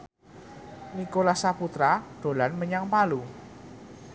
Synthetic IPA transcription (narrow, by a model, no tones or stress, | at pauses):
nikolasaput̪ɾaɖ̥o̤lanməɲaŋpalu